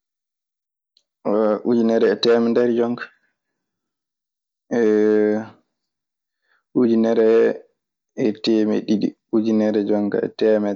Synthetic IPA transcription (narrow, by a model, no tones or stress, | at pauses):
ʔud͡ʒinɛɾɛɛtɛmɛndɛɾid͡ʒɔŋkḁ | ɛ | ʔud͡ʒinɛɾɛ | ɛtemḛɗiɗḭ | ud͡ʒinɛɾɛd͡ʒɔŋka̰ɛ̰tɛːmɛ